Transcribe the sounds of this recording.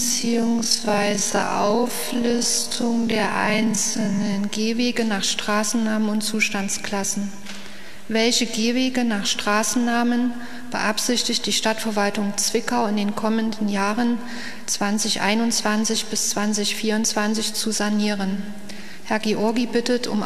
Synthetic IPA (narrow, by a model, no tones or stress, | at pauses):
t͡siːʊŋsv̥aɪzə̰ʔa̰ʊf | lʏstʰʊŋdeːɐʔa̰ɪnt͡sl̩nənɡeːveːɡənaːχʃtʁ̥aːsn̩naːmənʊntt͡suːʃtant͡skl̥asn̩ | vɛlçəɡeːveːɡənaːχʃtʁ̥aːsn̩naːmən | b̥ə̰ʔapz̥ɪçtɪçt̚d̥iːʃtatfɛɐvaltʊŋt͡sv̥ɪkaʊɪndeːnkʰɔməndn̩jaːʁən | t͡sv̥ant͡sɪçʔa̰ɪnʊnt͡sv̥ant͡sɪçb̥ɪst͡sv̥ant͡sɪçfiːɐʊntt͡sv̥ant͡sɪçt͡suzaniːʁ̞ən | hɛɐɡeʔɔɐɡibɪtətʰʊ̰m